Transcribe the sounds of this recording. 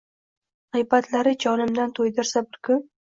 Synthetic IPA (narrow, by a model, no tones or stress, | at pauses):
ʁɨjbat̪laɾɪt͡ʃʰɒnɪmd̪ant̪ʰojd̪ɪɾsabɪɾkʰʊ